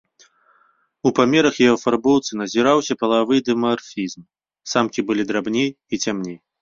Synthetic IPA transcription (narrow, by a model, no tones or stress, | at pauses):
upamʲɛɾɐxjɛɦɔfarbɔwt̪sɨnɐzʲiɾawsʲɐpɐlˠavɨd̪ɨmarfʲizm | samkʲibɨlʲid̪ɾabnʲej | it͡sʲamnʲej